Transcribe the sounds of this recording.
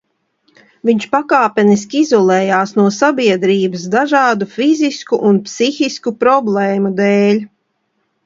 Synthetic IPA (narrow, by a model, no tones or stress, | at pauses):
viɲʃpakaːpɛnis̬kʲiizɔlˠɛːjaːsnuɔsabiɛd̪ɾiːbəsd̪aʒaːd̪ufiziskuʔunpsixiskupɾɔblˠɛːmud̪ɛːlʲ